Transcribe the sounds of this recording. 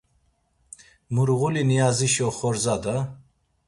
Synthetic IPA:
muɾʁulinijaziʃɔχɔɾzad̪a

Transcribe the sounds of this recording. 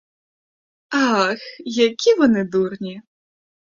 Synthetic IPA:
ɑxjɐkʲiʋɔnɪd̪urnʲi

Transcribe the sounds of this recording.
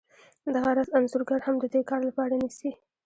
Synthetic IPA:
d̪aɣawɾɑzamzʊɾɡaɾhamd̪əd̪ekɑɾlapɑɾanisi

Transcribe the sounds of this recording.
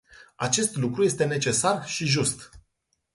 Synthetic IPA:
at͡ʃe̞st̪lukɾuje̞st̪e̞ne̞t͡ʃe̞sarʃiʒust̪

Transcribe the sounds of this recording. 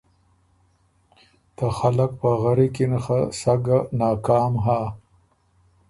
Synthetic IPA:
t̪axalak̚paɣaɾikinaxasaɡanɑːkaːmɦaː

